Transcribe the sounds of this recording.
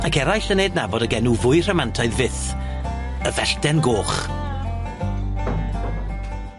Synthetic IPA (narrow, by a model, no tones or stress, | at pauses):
akʰɛɾajɬənejdnabɔdəɡɛnuvʊɨr̥ɛmantʰaɨðvɪθ | əvɛɬdɛnɡoːχ